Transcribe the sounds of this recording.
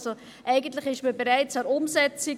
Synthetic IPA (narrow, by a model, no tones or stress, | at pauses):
zo | ʔaɪɡən̩tlɪçɪʃmibəʁaɪt͡saɾʊmzɛt͡sɪ